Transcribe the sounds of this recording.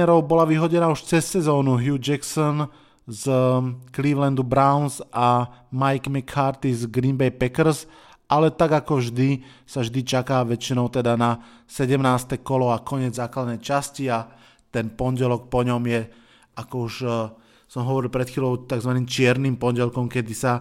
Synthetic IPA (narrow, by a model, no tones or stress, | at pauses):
ɛɾɔʊbɔlaʋiɦɔɟɛnaːuʃt͡sɛsːɛzɔːnuɦjuːd͡ʒɛksɔn | zkliːʋlɛnd̪ubɾaʊnzʔamajɡmɛkʰːaɾt̪izɡɾimbɛjpɛkr̩s | ʔalɛt̪aɡakɔvʒd̪i | savʒd̪it͡ʃakaːʋɛt͡ʃinɔʊt̪ɛd̪ana | sɛɟɛmnaːst̪ɛkɔlɔakɔɲɪɛd͡zzaːklad̪nɛjt͡ʃascia | t̪ɛnpɔnɟɛlɔk̚pɔɲɔmjɛ | akɔuʃ | sɔmɦɔʋɔɾilpɾɛt̪xiːlɔʊt̪aɡzʋaniːmt͡ʃɪɛɾnimpɔnɟɛlkɔmkɛd̪isa